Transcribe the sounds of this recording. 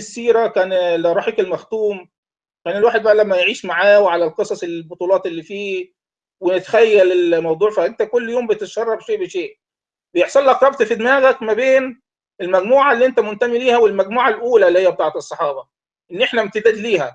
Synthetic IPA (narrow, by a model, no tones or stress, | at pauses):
sːiːɾækæːnlæɾˤɑːħekelmæxt̪uːm | kæːnelwaːħed̪̚bæʔælæmːæjʕiːʃmaʕaːweʕalælqesˤɑsˤelbot̪ˤuːlɑːt̪elːiːfiː | wenet̪xæjːælelmɑwd̪ˤuːʕfæhʔeɡt̪ækolːjoːmbet̪et̪ʃɑrˤːɑfʃeːʔbeʃeːʔ | bejeħsˤɑlːʔɑqɾˤɑb̚t̪fid̪mæːɣækmæbeːn | ʔelmæɡmuːʕalːiːʔent̪æmʊnt̪æmiliːhæwelmæɡmuːʕalʔuːlælːihejːæbet̪ɑːʕet̪esˤːɑħɑːbɑ | ʔenːʔeħnæmt̪ed̪æːd̪liːhæ